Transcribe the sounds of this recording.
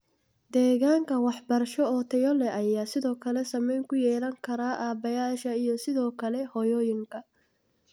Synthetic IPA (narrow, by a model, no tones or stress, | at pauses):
d̪̥ɛːɣaːŋkʰɐwɑħbɐrʃɔɔt̪ʰɛjɔlɛʔɐjaːsɪðɔːkʰɐlɛsɐmɛjŋkʰʊjɛːlɐŋkʰɐɾaːʔaːbɐjaːʃɐijɔsɪðɔːkʰɐlɛhɔjɔːjɪŋkʰɐ